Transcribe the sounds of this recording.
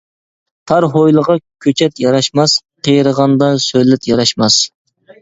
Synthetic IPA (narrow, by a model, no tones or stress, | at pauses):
t̪ʰɑɾɦojlˠəʁɑkʲʰøt͡ʃʰɛt̪jɑɾɑʃmɑsqʰijɾəʁɑnd̪ɑsøjlɪt̪jɑɾɑʃmɑs